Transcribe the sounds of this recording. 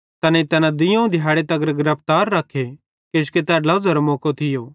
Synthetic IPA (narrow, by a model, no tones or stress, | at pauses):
t̪ɐnet̪ɐnad̪ɪjɐ̃ũd̪ʱɪjaːɽet̪ɐɡəɾɡɪɾəp̚ʰt̪aːɾːɐkʰːe | keʃket̪ɛːlɐd͡zɐɾomɔːkot̪ʰɪjoː